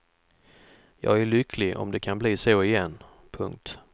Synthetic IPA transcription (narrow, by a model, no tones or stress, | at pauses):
jɑ̰ːɡæɭʏkʰlɪʔɔ̰md̪ɛkʰanbliːsoːɪjɛnː | pʰɵŋk̚t̪